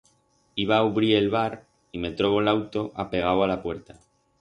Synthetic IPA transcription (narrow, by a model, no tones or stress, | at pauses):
iβaːuβɾie̞lβaɾ | ime̞t̪ɾo̞βo̞lawt̪oʔape̞ɣ̞awalapwe̞ɾt̪a